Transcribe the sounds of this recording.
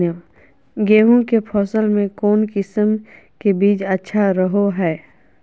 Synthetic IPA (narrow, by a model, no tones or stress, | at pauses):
ə | ɡeːɦũkepʰɔːsəlmẽkɔːnkɪsəm | kebiːt͡ʃətːʃʰaɾəɦoɦɛː